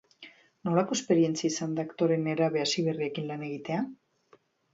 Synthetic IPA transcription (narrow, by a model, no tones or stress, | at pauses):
no̞lako̞e̞spe̞ɾie̞nt͡siaisand̪akt̪o̞ɾe̞neɾaβe̞asiβe̞riekinlane̞ɣ̞it̪e̞a